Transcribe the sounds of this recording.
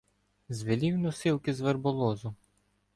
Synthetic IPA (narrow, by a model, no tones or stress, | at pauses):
zʋɪlʲiwnɔsɪlˠkɪzʋerbɔlˠɔzʊ